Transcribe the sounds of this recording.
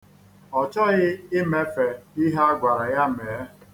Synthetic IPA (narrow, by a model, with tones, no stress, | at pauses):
ɔ˨t͡ʃɔ˦ɣɪ˦ɪ˦me˦fe˨i˦ɦa˦ɡʷa˨ɾa˨ja˦˨m˨e˨˦